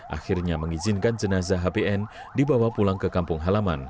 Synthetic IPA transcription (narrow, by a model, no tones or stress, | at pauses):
ʔa̰xirɲaməŋizɪnkand͡ʒənazaɦapeʔɛn | dibawapulaŋkəkampʊŋɦalaman